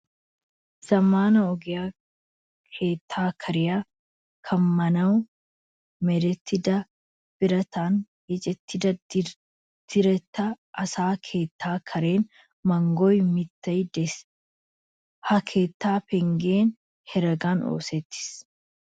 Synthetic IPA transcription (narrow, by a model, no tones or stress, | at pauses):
sɐmaːnɐɔɡɪjaː | kʰeːt̪ʰːaːkʰɐɾɪjaː | kʰɐmmɐnɐw | mɛd̪ɛt̪ːɪd̪ɐ | b̥ɪɾɐt̪aːn | jɛt͡ʃʼɛt̪ːɪd̪ɐ | d̪̥ɪɾɛt̪ːɐ | ʔɐsaːkʰe̞ːt̪ʰːaːkʰɐɾe̞ːn | mɐŋɡɔjmɪt̪ːɐjd̪ɛs | hɐkʰe̞ːt̪ːaːpɛŋɡe̞ːn | hɛɾɐɡaːno̰ːseːt̪ːɪ̥s